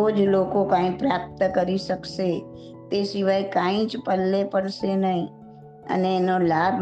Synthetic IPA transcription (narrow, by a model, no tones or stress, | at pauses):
oːd͡ʒloːkokãːĩpɾaːp̚t̪kəɾisəkse | t̪esɪʋaːikaːĩt͡ʃpəlːepəɽsenəɦĩ | ə̰neɛnolaːbʱ